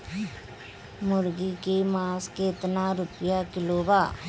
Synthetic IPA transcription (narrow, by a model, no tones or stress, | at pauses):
mʊɾɡikemãːsket̪naɾʊpjakɪloːbaː